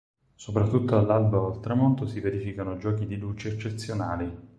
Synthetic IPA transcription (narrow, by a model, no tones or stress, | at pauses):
sopɾat̪ːut̪ːoalːalbaalt̪ɾamɔnt̪osiveɾifikanod͡ʒɔːkid̪ilut͡ʃeːt͡ʃːeːt̪sːjonaːli